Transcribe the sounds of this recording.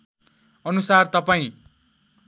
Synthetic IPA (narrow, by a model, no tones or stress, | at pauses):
ʌnusart̪ʌpaĩ